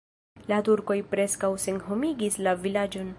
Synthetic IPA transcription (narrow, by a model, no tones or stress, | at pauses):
latuɾko̞jpɾe̞skawse̞nɦo̞miɡislavilad͡ʒo̞n